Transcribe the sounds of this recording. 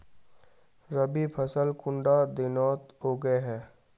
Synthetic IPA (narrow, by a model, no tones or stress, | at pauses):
ɾɐbipʰɐsəlkʊ̃ɳɖad̪ɪnɔːt̪ɦoːɡəeɦɛː